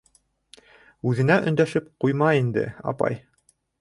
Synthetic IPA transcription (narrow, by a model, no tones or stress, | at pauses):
ʉðɘ̆næʔɵ̆nd̪æʃɘpqujmɑind̪ɘ̰ɑ̰pɑ̰j